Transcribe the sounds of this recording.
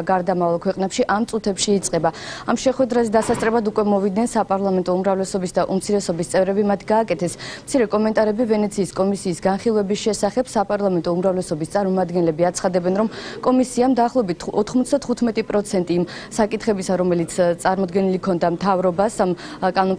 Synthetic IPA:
ɡaɾd̪amavalˠkʰwɛqʼnɛpʃiʔamt̪sʼut̪ʰɛpʃiːt̪sʼqʼɛbaamʃɛχwɛd̪ɾazɛd̪asast̪ʼɾɛbad̪ukʼwɛmɔvid̪nɛnsapʼaɾlˠamɛnt̪ʼɔumɾavlɛsɔbisd̪aʔumt̪sʰiɾɛsɔbist̪sʼɛvɾɛbimat̪ʰɡaːkʼɛt̪ʰɛsmt̪sʰiɾɛkʼɔmɛnt̪ʼaɾɛbivɛnɛt̪sʰiːskʼɔmisiːsɡanχilˠwɛbisʃɛsaχɛb̥sapʼaɾlˠamɛnt̪ʼɔumɾavlɛsɔbist̪sʼaɾmɔmad̪ɡɛnlɛbiat̪sʰχad̪ɛbɛnɾɔmkʼɔmisiamd̪aːχlˠɔvɛbit̪ʰɔt̪ʰχmɔt̪sʰd̪at̪ʰχut̪ʰmɛt̪ʼipʼɾɔt̪sʰɛnt̪ʼiːm | sakʼit̪ʰχɛbisaɾɔmɛlit̪sʰt̪sʼaɾmɔd̪ɡɛnilikʰɔnd̪amt̪ʰavɾɔbasamkʼanɔn

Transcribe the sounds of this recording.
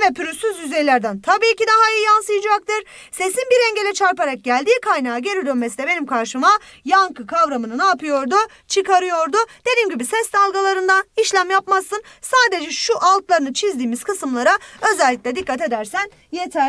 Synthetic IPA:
vɛpʰyɾysyzjyze̞jlʲæɾd̪ænt̪ʰabiːcid̪aɦaijijansɯjɯd͡ʒak̚t̪ɯɾ̥ | se̞sinbiɾɛɲɟe̞lʲɛt͡ʃʰaɾpaɾak̚ɟælʲd̪iːkʰajnaːɟe̞ɾid̪ønmesid̪ɛbe̞nimkʰaɾʃɯmajankɯkʰavɾamɯnɯnaːpɯjo̞ɾd̪ʊ | t͡ʃʰɯkaɾɯjo̞ɾd̪ʊd̪̥e̞d̪iːmɟibisɛsd̪alˠɡalˠaɾɯnd̪aniʃlʲæmjapmasːɯnsaːd̪e̞d͡ʒɛʃuʔalˠt̪̚lˠaɾɯnɯt͡ʃʰizd̪iːmiz̥kʰɯsɯmlˠaɾaø̞zɛlʲːic̚lʲɛd̪ikʰːat̪e̞d̪æɾsæn | je̞t̪ʰæɾ

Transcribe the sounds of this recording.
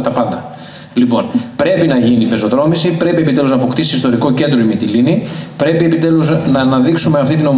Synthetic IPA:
t̪ɐpɐnd̪ɐ | lipo̞npɾe̞pinɐʝinipeso̞ðɾo̞misipɾe̞pie̞pit̪eluznɐpo̞kt̪isiːst̪o̞ɾiko̞ce̞nd̪ɾo̞imit̪ilinipɾe̞piepit̪eluznɐːnɐðiksumeɐft̪it̪ino̞m

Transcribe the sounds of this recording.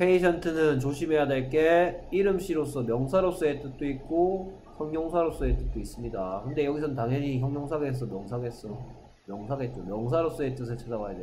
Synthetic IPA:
pʰeiɕʰʌntʰɯnɯnt͡ɕoɕʰimɦe̞jadwe̞ɭk͈e̞iɾɯmɕ͈iɾos͈ʌmjʌŋsʰaɾos͈ɯe̞t͈ɯk̚t͈oik̚k͈o | çjʌŋɲjoŋsʰaɾos͈ɯe̞t͈ɯk̚t͈ois͈ɯmɲidakɯnde̞jʌɡis̬ʰʌntaŋjʌɲiçjʌŋɲjoŋsʰaɡes̬ʰʌmjʌŋsʰaɡes͈ʰʌ | mjʌŋsʰaɡet͡ɕ͈omjʌŋs̬ʰaɾos͈ʌe̞t͈ɯs̬ʰɯɭt͡ɕʰedabajadwe

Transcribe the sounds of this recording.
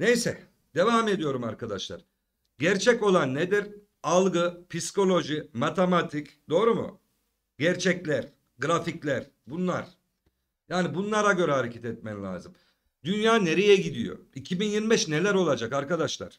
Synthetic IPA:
nejsɛ | d̪̥e̞vaːme̞d̪ijo̞ɾumaɾkʰad̪aʃlˠa̰ɾ̥ | ɟæɾt͡ʃʰɛco̞lˠanːed̪iɾ | alˠɡɯpʰisko̞lʲˠo̞ʒimat̪ʰemat̪ʰicd̪̥o̞ːɾumṵ | ɟæɾt͡ʃʰɛclʲæɾ | ɡɾaficlʲæɾ | bunlˠaɾ̥ | jaːnibunlˠaɾaɟø̞ɾɛɦaɾecʰɛt̪ɛt̪̚mænlʲa̰ːzɯm | d̪ynjaːne̞ɾe̞jɛɟid̪ijo̞̰icʰibinjiɾmbɛʃne̞lʲæɾo̞lˠad͡ʒakaɾkad̪aʃlˠa̰ɾ̥

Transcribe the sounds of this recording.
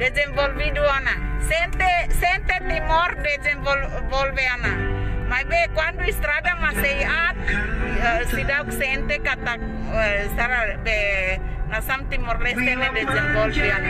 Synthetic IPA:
dɛd͡ʒɛmbɔlbiduanasɛnt̪ɛsɛnt̪ɛt̪imɔɾɖɛd͡ʒɛmbɔlbɔlbɛana̰majbɛkɔanbuist̪ɾabamasɛjat̪ | sidawksɛnt̪ɛkat̪ak̚ | saɾabɛ | asamt̪imɔɾlɛsɛnɛdɛd͡ʒɛmbɔlbɛana

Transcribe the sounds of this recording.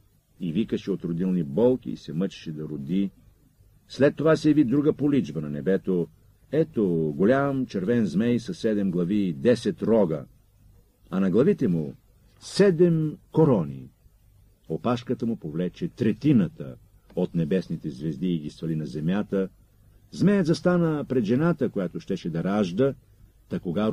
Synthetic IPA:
ivikəʃɛot̪ɾod̪ilˠnibɔlˠkḭːsɛmət͡ʃɛ̥ʃɛd̪ɐɾod̪i | slɛt̪ːovasɛvid̪ɾuɡəpolid͡ʒbɐnɐnɛbɛt̪o | ɛt̪oɡolʲamt͡ʃɛɾvɛnzmɛjsɐsɛd̪ɛmɡlˠɐvid̪ɛsɛt̪ɾɔɡə | ɐnɐɡlˠɐvit̪ɛmu | sɛd̪ɛmkoɾɔnḭ | opaʃkət̪əmupovlɛt͡ʃɛt̪ɾɛt̪inɐt̪ə̰ | ot̪nɛbɛsnit̪ɛzvɛzd̪iːɡʲist̪vɐlinɐzɛmʲjat̪ə | zmɛjət̪zɐst̪anəpɾɛd̪ʒɛnat̪əkojat̪oʃt̪ɛʃɛd̪ɐɾaʒd̪ə | t̪ɐkoɡa

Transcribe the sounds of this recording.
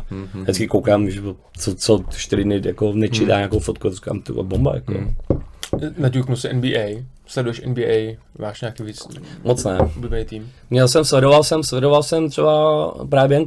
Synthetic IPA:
hɛt͡skɪkowkaːmʒɛvo | t͡sot͡soʃt̪ɪɾɪdnɪjakonɛt͡ʃɪt̪a̰ːɲaːkowfot̪kuri̥ka̰ːmt̪ɛ̰ba̰bomba̰jako̰ | nat̪ujknusɪʔɛnbiːʔɛj | slɛdujɛʃʔɛnbiːʔɛj | maːʃɲaːkijvit͡smot͡snɛobiːbɛnijt̪iːm | mɲɛlsɛmslɛdovalsɛmslɛdovalsɛmt̪r̥ɛbapɾaːvjɛn

